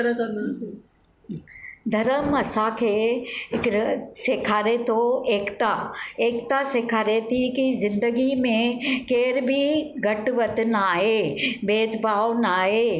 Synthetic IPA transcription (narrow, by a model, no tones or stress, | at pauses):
ɾk | d̪ʱɐɾəmɐsãkʰe | ɾsekʰaːɾet̪ʰoeːkt̪aeːkt̪asekʰaːɾet̪ʰikizɪ̃nd̪əɡimẽkeːɾbʱiɡɐʈʋət̪naːɦeːbeːd̪bʱaːʋnaːɦeː